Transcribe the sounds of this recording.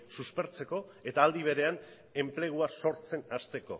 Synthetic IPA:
suspe̞ɾt͡se̞ko̞e̞t̪aːld̪iβ̞e̞ɾe̞an | e̞mple̞ɣ̞uaso̞ɾt͡se̞nast̪e̞ko̞̰

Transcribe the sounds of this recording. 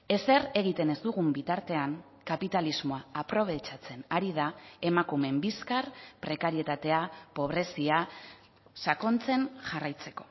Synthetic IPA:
e̞se̞ɾe̞ɣ̞it̪e̞ne̞zd̪uɣ̞umbit̪aɾt̪e̞aŋ | kapit̪alizmo̞aapɾo̞β̞e̞t͡ʃat͡se̞naɾiðae̞makume̞mbiskarpɾe̞kaɾie̞t̪at̪e̞apo̞β̞ɾe̞sia | sako̞nt͡se̞nʝarajt͡se̞ko̞̥

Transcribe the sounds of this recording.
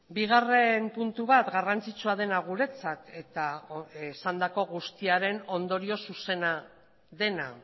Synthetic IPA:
biɣare̞mpunt̪uβat̪ɡarant͡sit͡suað̞e̞naɣ̞uɾe̞t͡sat̪e̞t̪aesand̪ako̞ɣust̪iaɾe̞no̞nd̪o̞ɾio̞suse̞na | ðe̞na̰

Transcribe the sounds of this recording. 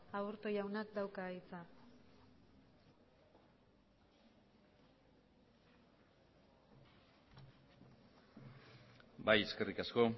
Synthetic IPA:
auɾt̪ojawnakd̪awkait͡sa | baje̞ske̞rikasko̞

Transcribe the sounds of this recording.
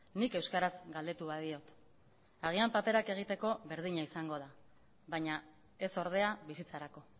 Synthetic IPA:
nike̞wskaɾazɡald̪e̞t̪uβaðio̞t̪ | aɣ̞iampape̞ɾake̞ɣ̞it̪e̞ko̞βe̞ɾðiɲaisaŋɡo̞ð̞a | βaɲa | e̞so̞ɾð̞e̞aβisit͡saɾako̞

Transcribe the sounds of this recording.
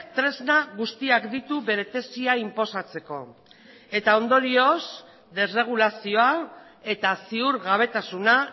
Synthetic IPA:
t̪ɾe̞znaɣust̪iakd̪it̪uβe̞ɾe̞t̪e̞siaimpo̞sat͡se̞ko̞ | e̞t̪ao̞nd̪oɾio̞s | d̪e̞sre̞ɣ̞ulasio̞a | e̞t̪asiuɾɣaβ̞e̞t̪asuna

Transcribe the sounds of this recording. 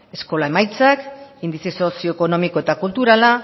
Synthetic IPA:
e̞sko̞lae̞majt͡sakind̪isiso̞sio̞eko̞no̞mikoe̞t̪akult̪uɾala

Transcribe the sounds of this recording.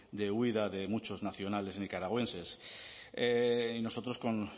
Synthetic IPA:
d̪e̞wiðaðe̞mut͡ʃo̞znaθjo̞nale̞snikaɾaɣ̞we̞nse̞s | eino̞so̞t̪ɾo̞sko̞n

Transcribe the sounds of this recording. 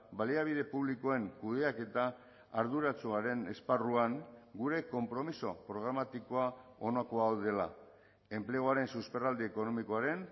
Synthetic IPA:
baliaβ̞iðe̞puβlikoe̞ŋkuðe̞ake̞t̪aː | ɾðuɾat͡suaɾe̞ne̞sparuaŋɡuɾe̞ko̞mpɾo̞miso̞pɾo̞ɣ̞ɾamat̪iko̞ao̞nako̞aoðe̞la̰ | e̞mple̞ɣ̞oaɾe̞nsuspe̞rald̪ieko̞no̞miko̞aɾe̞n

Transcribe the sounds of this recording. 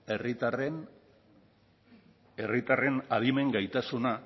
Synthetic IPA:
erit̪aren | e̞rit̪are̞naðime̞ŋɡajt̪asuna

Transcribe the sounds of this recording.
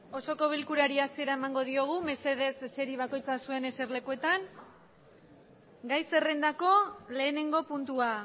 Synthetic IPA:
o̞so̞ko̞βilkuɾaɾiasie̞ɾae̞maŋɡo̞ð̞io̞ɣ̞ume̞se̞ð̞e̞sːe̞ɾiβ̞ako̞jt͡sasue̞ne̞seɾle̞kue̞t̪aŋ | ɡajse̞re̞nd̪ako̞le̞ːne̞ŋɡo̞punt̪ua

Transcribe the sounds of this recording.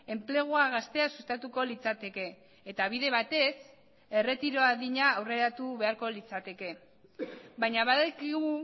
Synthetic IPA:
e̞mple̞ɣ̞uaɣast̪e̞asust̪at̪uko̞lit͡sat̪e̞ke̞ː | t̪aβ̞iðe̞βat̪e̞s | e̞re̞t̪iɾo̞aðiɲaːwre̞ɾat̪uβe̞aɾko̞lit͡sat̪e̞ke̞ | βajɲaβaðekiɣu

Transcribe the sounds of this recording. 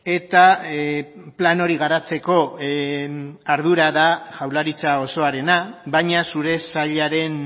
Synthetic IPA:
e̞t̪a | plano̞ɾiɣaɾat͡se̞ko̞ | aɾð̞uɾaðaʝawlaɾit͡sao̞so̞aɾe̞naβajɲasuɾe̞saʎaɾe̞n

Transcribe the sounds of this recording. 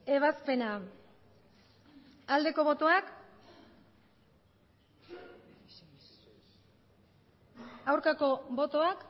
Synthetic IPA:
e̞β̞aspe̞na | ald̪e̞ko̞βo̞t̪o̞ak | awɾkako̞bo̞t̪o̞ak

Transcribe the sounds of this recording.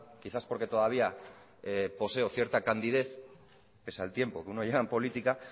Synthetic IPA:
kiθaspo̞ɾke̞t̪o̞ðaβia | epo̞se̞oθje̞ɾt̪akand̪iðe̞θ | pe̞saelt̪je̞mpo̞keunoʎeɣampo̞lit̪ika

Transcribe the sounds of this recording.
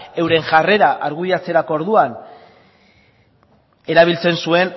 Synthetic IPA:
e̞wɾe̞ŋʝare̞ɾaʔaɾɣujat͡se̞ɾako̞oɾðuan | e̞ɾaβ̞ilt͡se̞nsue̞n

